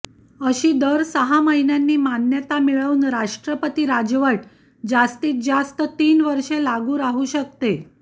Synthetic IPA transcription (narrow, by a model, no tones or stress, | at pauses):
əɕiːd̪əɾsəɦaməɦinjanːiːmanjət̪amiɭəʋuːnɾaʂʈɾəpət̪iɾad͡ʑʋəʈ̚ | d͡zast̪iːt̪̚d͡zast̪ət̪iːnʋəɾʂelaɡuːɾaɦuɕək̚t̪e